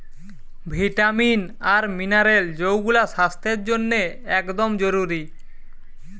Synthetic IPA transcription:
bʱiʈamin | aɾminaɾeld͡ʑowɡulaʃast̪ʰeɾd͡ʑonːeɛkd̪omd͡ʑoɾuɾi

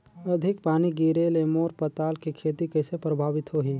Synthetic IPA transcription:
əd̪ʱɪk̚paːniɡiɾelemoːɾpət̪aːlkikʰeːt̪ikəɪsepɾəbʱaːʋɪt̪ɦoɦiː

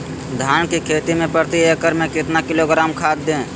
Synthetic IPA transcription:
d̪ʱaːnkikʰeːt̪imẽpəɾt̪iekəɾmẽkɪt̪nakɪloɡɾaːmkʰaːd̪̚d̪ẽː

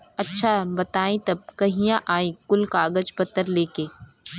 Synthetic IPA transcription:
ɐtːʃʰabɐt̪aːĩt̪ɐb̚kɐɦĩjãʔaːĩkʊlkaːɡəd͡ʒpɐt̪ːəɾleːkeː

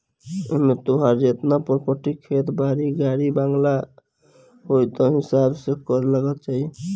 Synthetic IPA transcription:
eɦmet̪oɦaɾet̪napɔɾpəʈikʰːet̪baɾiɡaɾibaŋɡla | ɦojt̪ɔɦisabsekɔɾlaɡət̪t͡ʃaɦi

